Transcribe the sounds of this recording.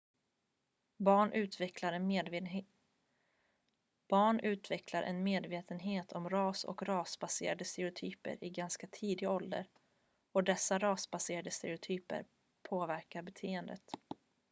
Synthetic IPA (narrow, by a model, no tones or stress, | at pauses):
bɑːɳʔʉ̟ːt̪vɛkʰlaɾɛn | b̥ɑːɳʉ̟ːt̪vɛkʰlaɾʔɛ̰nmeːd̪veːt̪ənɦeːt̪ʰɔmɾɑːsɔ̰kɾɑːsbasḛːɾad̪əst̪ɛɾɪʊt̪ʰyːpə̰ɾʔɪɡanskat̪ʰiːd̪ɪɡaɔld̪ə̰ɾ | ɔd̪ɛsːaɾɑːsbaseːɾad̪əst̪ɛɾɪʊt̪ʰyːpə̰ɾ | pʰoːvæɾkaɾbɛt̪ʰeːənd̪ə̰t̪